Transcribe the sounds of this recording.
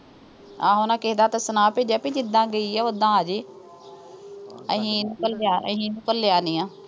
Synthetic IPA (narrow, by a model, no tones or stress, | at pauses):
aːɦõːnãːkeɦd̪aːt̪əsənaːpeːd͡ʒaːpid͡ʒɪd̪ːãːɡəiːaːʊd̪ãːəd͡ʒeː | ə̰ɦĩːnʊ̃kəlaːə̰ɦĩːnʊkəlːejaːniːãː